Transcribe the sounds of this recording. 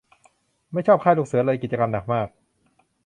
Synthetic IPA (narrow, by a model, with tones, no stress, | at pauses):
ma˥˩jt͡ɕʰɔː˥˩kʰa˥˩lu˥˩k̚sɯ˩˦ɐ˦lɤː˧jki˨˩t̪̚t͡ɕa˧ka˧mda˨˩k̚maː˥˩k̚